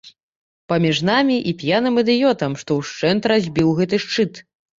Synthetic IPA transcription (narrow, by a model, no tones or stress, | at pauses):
pɐmʲiʐnamʲiʔipʲjanɨmɨd̪ɨjɔt̪ɐmʂt̪ɔwʂt͡ʂɛnt̪ɾazʲbʲiwɣɛt̪̬ɨʂt͡ʂɨt̪